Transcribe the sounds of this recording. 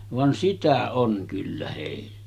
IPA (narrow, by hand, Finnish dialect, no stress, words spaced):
ʋɑn sitæ oŋ kylːæ heˑilːæ̥